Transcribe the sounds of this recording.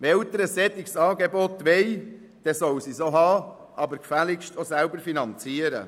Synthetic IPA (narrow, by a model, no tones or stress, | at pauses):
ʋɛlt̪əɾəsɛt̪ɪksɑːɡebɔt̪ʋɛɪ | d̥ɛsɔwsisoɦɑː | ʔɑbəɾkfælɪkʃtosælbəɾfinɑnt͡siːəɾə̰